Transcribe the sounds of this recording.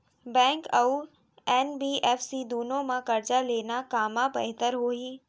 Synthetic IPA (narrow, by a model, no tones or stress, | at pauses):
bɛ̃ːŋkɐu | ɛːnbiːʔɛːfsid̪uːnõmãkɐɾd͡ʑaleːnakaːmabɐɦɪt̪əɾɦoːiː